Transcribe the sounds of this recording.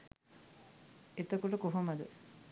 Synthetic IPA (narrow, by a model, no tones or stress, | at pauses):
et̪əkuʈəkoɦomɐd̪ə